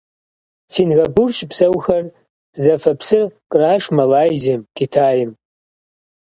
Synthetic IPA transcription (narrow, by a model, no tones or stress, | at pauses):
tʰinɣɐbʊrt͡ʃʼpsɐwxɐr | zɐfɐpʰsɨkʼraːʂmɐlaːjzemkʲitʰaːjɪm